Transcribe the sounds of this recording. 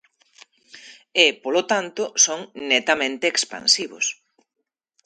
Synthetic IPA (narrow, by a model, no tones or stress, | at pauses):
epolot̪ant̪ʊsoŋnet̪amẽnt̪eːkspã̰nsiβo̰s